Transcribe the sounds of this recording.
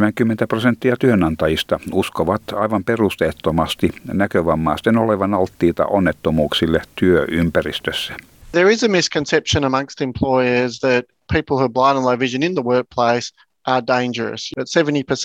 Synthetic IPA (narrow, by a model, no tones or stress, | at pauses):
mæŋkymːent̪æprosent̪ːiɑt̪yønɑnt̪ɑjist̪ɑuskoʋɑt̪ɑiʋɑmperust̪et̪ːomɑst̪inækøʋɑmːɑ̰ːst̪enoleʋɑnɑlt̪ːiːt̪ɑ̰ʔonːet̪ːomuːksilːet̪yøʔympærist̪øsːæ̥ | ðə˞ɪzəmɪskʰɨ̃nsɛpʃə̃nəmʌ̃ŋst̪ɨ̃mpʰl̥ɔɪə˞zðɨt̚pʰiˑpl̩ˠhʉblãɪ̃nləvɪʒɨ̃nɪ̃nðəwɜ˞k̚pʰl̥eɪs | ʔə˞dẽɪ̃nd͡ʒə˞ə̰sətsɛvə̃ntipʰəs